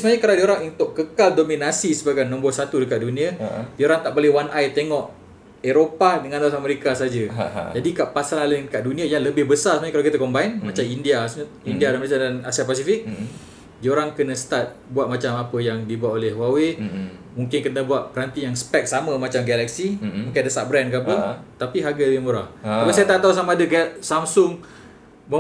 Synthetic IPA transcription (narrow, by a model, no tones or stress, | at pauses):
səmaɲakaladioɾaŋunt̪ʊʔkːəkaldominasisəbaɡajnɔ̃mbʊsat̪udəkaʔ̪̚dunĩədioɾaŋt̪aʔbolɛhwanʔajt̪eŋɔʔ | eɾopadəŋãndaaameɾikasad͡ʒəd͡ʒadikaʔpasalalədəkaʔ̚dunĩajaŋləbɪhbəsarsəmãɲakalakit̪akombainmãt͡ʃamindiasɲ | indiadanməɾasadanasiapas̬ifik̚ | d͡ʒioɾaŋkənəsə̥t̪at̪̚buat̪̚mat͡ʃamapəjaŋdibuat̪olɛhwawe | muŋkɪnkənəbuat̪̚pəɾant̪ijaŋsə̥pɛk̚saməmat͡ʃamɡɛlak̚simũŋkɪnadəst̪aʔ̚bɾɛnkabət̪apiɦaɡaləbɪhmoɾahapisajət̪aʔt̪aus̬amaːdəkasamsʊŋ | mə